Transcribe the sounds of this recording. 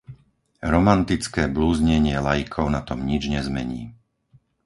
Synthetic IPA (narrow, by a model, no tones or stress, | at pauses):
ɾɔmant̪it͡skɛːbluːzɲɛɲɪɛlajikʰɔʊnat̪ɔmɲid͡ʒɲɛzmɛ̰ɲḭː